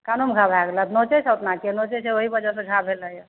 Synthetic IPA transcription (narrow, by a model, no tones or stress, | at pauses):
kanomɡʱabʱaɡlət̪not͡ʃesʰəwt̪nakenot͡ʃesʰeoɦibəd͡ʒəseɡʱabʱeləj